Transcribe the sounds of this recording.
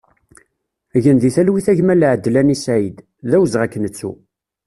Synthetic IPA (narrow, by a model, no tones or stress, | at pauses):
ʝənðiθælwiθæʝmælʕəd̪ːlænisæid̪ | ðæwzʁækːnət͡sːṵ